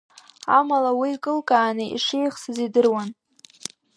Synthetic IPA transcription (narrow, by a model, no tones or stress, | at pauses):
a̰malawiːkʼɨlkʼaːnɨḭʂejχsɨzidɨrwan